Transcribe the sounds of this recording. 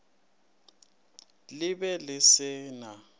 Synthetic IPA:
lɪbɛlɪsɪːna

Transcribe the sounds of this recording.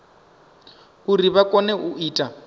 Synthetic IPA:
uriβakʼɔnɛʔuiːtʼa

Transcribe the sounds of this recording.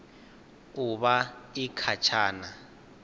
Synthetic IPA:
uβaikʰat͡ʃʰaːna

